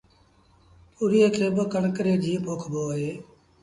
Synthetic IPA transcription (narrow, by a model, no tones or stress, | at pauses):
puːɾiːəkʰeːbəkəɳkɾeːd͡ʒĩːpoːkʰboːɦeː